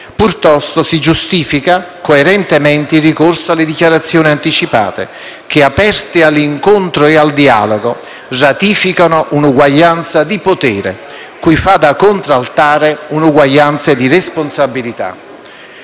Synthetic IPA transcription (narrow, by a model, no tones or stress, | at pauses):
purt̪ɔst̪osid͡ʒust̪iːfika | koeɾɛnt̪emɛnt̪eilrːikorsoalːɪd̪ikjaɾat̪sːjoːniant̪it͡ʃipa̰ːt̪ḛ | k̟ɪapɛrt̪ɪalːiŋkont̪ɾoeald̪ia̰ːloɡo | rat̪iːfikanoʔunuɡwaʎːant̪sad̪ipot̪ɛːɾḛ | kujfad̪akːont̪ɾalt̪aːɾeunuɡwaʎːant̪sad̪iresponsabilit̪a̰